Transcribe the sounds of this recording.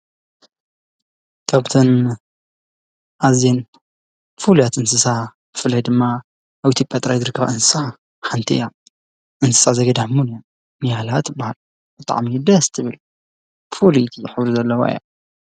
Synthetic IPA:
k̪ʰaβt̪ʰɐn | ʔazjen | fulujat̪ʔɨnsɨsa | bɨfɨlːajd̪ɨmːa | ʔːβʔit̪ʰjopʼjat̪ʼɾajzɨɾɨkʰːɐβaʔɨnsɨ̥sa | ħant̪ʰḭja | ʔɨnsɨ̥sazɐɡɐd̪aħmunja | nijalat̪bahal | b̥ɨt̪ʼa̰ʕmid̪ɐst̪ʰɨβɨl | fʰulit̪ʰiħɨβɾuzɐlːɐwo̰j̰a̰

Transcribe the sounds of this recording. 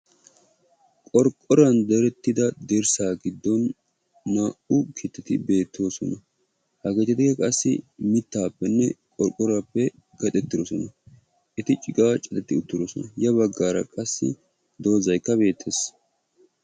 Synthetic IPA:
kʼɔɾkʼːɔɾɐnd̪ɛɾɛt̪ːɪd̪ɐd̪ɛɾsaːɡɪd̪ːɔnː | aːʔʊkʰɪt̪ːɪt̪ɪbe̞ːt̪ʰːo̞ːsɔnɐ | hɐɡɛt̪ɪt̪ɪɡɛkʼɐsːɪ̰mɪt̪ːaːpːɛnːɛkʼɔɾkʼːɔɾapːɛ | ɡɐt̪ʼɛt̪ːɪd̪ɔsɔnɐ | ʔɛt̪ɪt͡ʃʼɪɡʼaːt͡ʃʼɐt̪ʼɛt̪ːɪʊt̪ːɪd̪ɔsɔnɐjɐβɐɡːaːɾɐ̰kʼɐsːɪ̰ | d̪o̞ːzɐjkːɐbe̞ːt̪ʰːes

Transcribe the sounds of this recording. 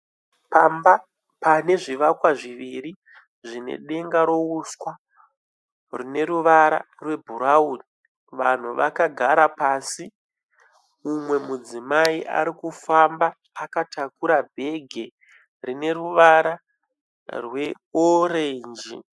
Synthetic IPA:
pamba | pane̞ʐiʋakwaʐiʋiɾi | ʐine̞̰ɗe̞ŋɡaɾo̞uskwa | rine̞ɾuʋaɾa̰ | rwe̞bʱuɾauni | ʋan̤uʋakaɡʱaɾapaːsi | umwe̞mud͡zimaiʔa̰ɾikufambaː | katakuɾabʱe̞ɡʱe̞ | rine̞ruʋaɾa | rwe̞ | orend͡ʒḭ

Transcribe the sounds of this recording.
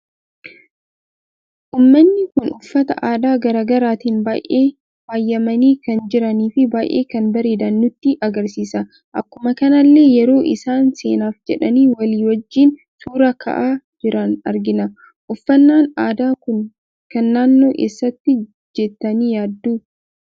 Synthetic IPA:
ʔuːmːɐnːɪkʊnʔʊfːɐt̪ɐ̰ʔaːd̪aːɡɐɾaːɡɐɾaːt̪iːnbaːjʔeː | faːjːɐmɐniːkɐnd͡ʒɪɾɐniːfɪbaːʔḛːkɐnbɐɾe̞ːd̪ɐnːʊt̪ːɪʔɐɡɐɾsiːsɐ | ʔɐkːʊmɐkɐnɐlːe̞ːjɛɾo̞ːʔɪ̰saːnse̞ːnaːfd͡ʒɛᶑɐniːwɐliːwɐd͡ʒːiːn | suːɾɐkʰɐ̰ʔaːd͡ʒɪɾɐnɐ̰ɾɡɪnɐ | ʔʊfːɐnːaːnaːd̪aːkʊn | kɐnːaːnːo̞ːkḛːsːɐt̪ːɪ | d͡ʒɛt̪ːɐniːjaːd̪ːuː

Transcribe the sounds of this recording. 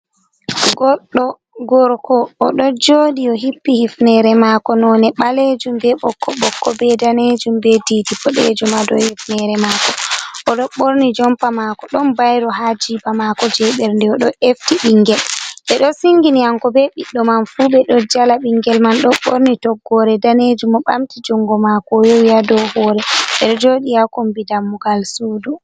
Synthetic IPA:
ɡɔɗːɔ | ɡɔɾkɔːɗɔd͡ʒoːɗiɔɦipːihifnɛɾɛmakɔnɔnɛɓaled͡ʒumbɛɓɔkʰːɔɓɔkːɔbɛdaned͡ʒumbɛdidipɔɗḛd͡ʒumadɔ̰hifnɛɾɛmakɔɔɗɔɓoɾnid͡ʒɔmpamakɔɗɔnbajɾɔɦad͡ʒibamakɔd͡ʒɛɓɛɾndɛɔɗɔʔeftiɓiŋɡɛlʔɛɗɔsiŋɡiniaŋkɔbɛɓiɗːɔmanfuɓɛɗɔd͡ʒalaɓiŋɡɛlmanɗɔɓoɾnitɔɡːɔɾɛdaned͡ʒumɔɓamtid͡ʒɔŋɡɔmakɔjowiadɔhɔːɾɛɓɛɗɔd͡ʒoɗijakombidamːuɡalsudu

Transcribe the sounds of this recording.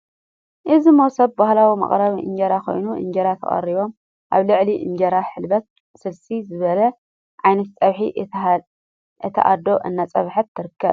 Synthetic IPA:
ʔɨzimowsɐbbahlawimɐ̰χʼɾɐβiʔɨɲd͡ʒɐɾakʰo̞̰jnuʔɨ̰ɲd͡ʒɐɾat̪ʰɐ̰kʼɐ̰ɾiβo̞m | ʔa̰βlɨʕliʔɨɲd͡ʒɐɾaħɨlbɐt̪̚ | sɨlsizɨβɐlɐ | ʕajnɐt̪̚t͡sʼɐβħi | ʔɨt̪ʰɐ̰ʔad̪o̞ʔɨnːat͡sʼɐβħɐbt̪ʰɨɾɨkʰːɐβ

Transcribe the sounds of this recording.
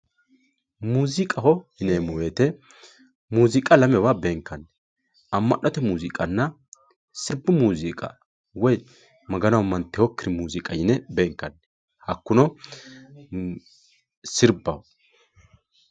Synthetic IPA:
muːzɪkʼɐhɔhɪnɛmɔweːt̪ɛ | muːzɪkʼɐlɐmɛwabeːŋkːɐnːɛ | ɐmːɐ̰ʔɔt̪ɛmuːzɪkʼɐnːɐ | sɪɾbʊmuːzɪkʼɐ̰ | wɔj | mɐɡɐnɐwmːɐnt̪ːɛhɔkːɪɾɪmuːzɪkʼɐjɪnɛbeːŋkːɐnːɛ | hɐkːʊnɔ | sɪɾbɐhɔ

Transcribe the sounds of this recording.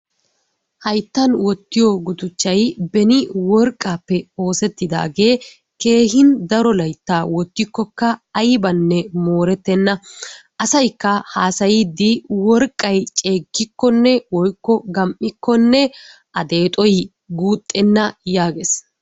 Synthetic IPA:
hɐjt̪ːɐnwɔt̪ːɪjɔɡʊt̪ʊt͡ʃːɐjbɛnɪwɔɾkʼːaːpːɛo̞ːsɛt̪ːɪd̪a̰ːɡe̞ː | ke̞ːɦɪnd̪ɐɾɔlɐjt̪ːaːwɔt̪ːɪkːɔkːɐɐjbɐnːɛmoːɾɛt̪ːɛnːɐʔɐsɐjkːɐhaːsɐjɪd̪ːɪwɔɾkʼːɐjt͡ʃʼe̞ːɡːɪkːɔnːɛwɔjkːɔɡɐmʔɪkːɔnːɛ | ʔɐd̪e̞ːt̪ʼɔj | ɡuːt̪ʼːɛnːɐjaːɡes

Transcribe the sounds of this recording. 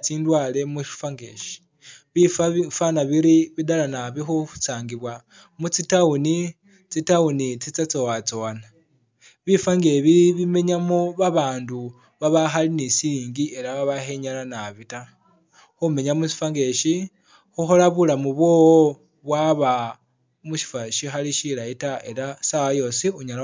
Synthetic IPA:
t͡siːndwaːle̞muʃi̥faŋɡe̞ʃi̥ | βifafanaβiɾiβidalanaβixuu̥saːŋɡiβwa | mut͡sitauni | t͡sitaunit͡sit͡sat͡sowat͡soana | βifaŋɡeβiβime̞ɲamuβaβaːndu | βaβaxalinisiliːŋɡie̞ɾaβaβaheɲalanaβita | xume̞ɲamut͡si̥faŋɡe̞ʃi | xuxo̞laβulamuβwo̞ːwo | βwaβa | muʃi̥faʃixaliʃilaitae̞ɾasawajo̞siuɲala

